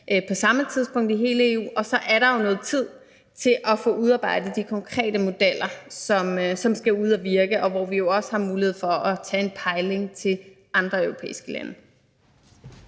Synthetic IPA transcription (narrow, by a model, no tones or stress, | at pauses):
pʰɒ̽sɑ̈mət͡sʰiðˠsb̥ɔ̽ŋ̰d̥iɦe̝ːləe̝ṵːɒ̽sɒ̽ʔæɐɾɑ̈jo̝nɔ̽ːð̩ˠt͡sʰið̞̰ˠ | t͡sʰe̝lʔɒ̽fɔ̽ːuðˠɑ̈ːb̥ɑ̈ɪ̰d̥ð̩ˠd̥ikʰɒ̽ŋkʰʁɛ̰ːd̥əmo̝d̥el̰ɐsɒ̽msɒ̽msɡ̥æuð̞̰ˠɒʋiɐɡ̥əʔɒ̽ʋɒʋijo̝ɒ̽sə̥hɑ̈muːlihe̝ðˠfɒ̽ʔɒt͡sʰɛ̰ːenpʰɑ̈ɪle̝ŋt͡sʰe̝l | ʔɑ̈nd̥ʁɐœʊʁopʰḛːisɡ̥əlæ̰nə